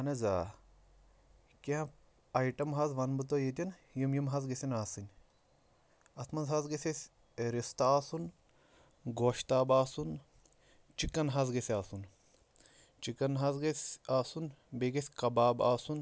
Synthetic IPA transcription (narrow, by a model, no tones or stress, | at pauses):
ɐnɐzaː | keɦɐ̃ | aiʈɐmɦɐzʋɐnbɨt̪ojet̪ʲinjimjimɦɐzɡɐsʲinaːsɨnʲ | ɐsmɐnzɦɐzɡesʲesʲ | ɾist̪ɐaːsun | ɡoːʃt̪aːbaːsun | t͡ʃikɐnɦɐzɡɐsʲaːsun | t͡ʃikɐnɦɐzɡɐsʲaːsunbeɡɐsʲkɐbaːbaːsun